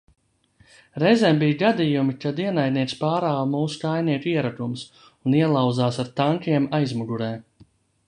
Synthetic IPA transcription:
ɾɛzɛmbijɡad̪ijumikad̪iɛnajd̪̚niɛt̪spaːɾaːwmuːsu̥kajniɛk̪ʲiɛɾak̪ums | uniɛlˠawd̪zaːsaɾt̪aŋkiɛmajzmuɡuɾɛː

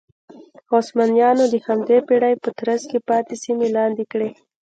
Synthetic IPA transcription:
ɑsmɑnjɑnod̪əhamd̪epeɽajpət̪ɾaskepɑt̪esimelɑnd̪ikɽe

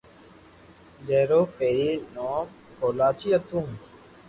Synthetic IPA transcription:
d͡ʒeːɾoːpeːɾiːnoːm | koːlaːt͡ʃiːət̪ũː

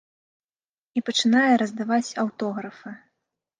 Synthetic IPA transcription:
ipɐt͡ʂɨnajɛɾɐzd̪avat͡sʲɐwt̪ɔɣɾɐfɐ

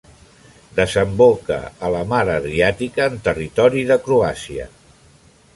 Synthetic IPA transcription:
d̪əzəmbokə̰ələmaɾəðɾiat̪ikəːnt̪ərit̪ɔɾiðəkɾuasiə̰

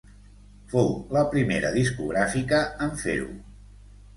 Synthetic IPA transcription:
fowləpɾimeɾə̰ðiskuɣɾafikəːɱfḛɾṵ

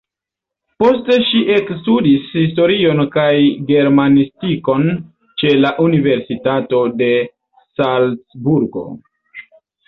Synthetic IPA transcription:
po̞ste̞ʃiʔe̞kstudishisto̞ɾio̞nkajɡe̞ɾmanistiko̞n | t͡ʃe̞laʔunive̞ɾsitato̞de̞ | salsbuɾɡo̞̰

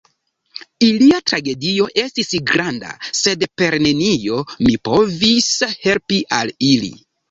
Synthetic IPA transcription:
iliatɾaɡe̞dio̞ʔe̞stisɡɾanda̰se̞dpe̞ɾne̞nio̞mipo̞vishe̞lpiʔalilḭ

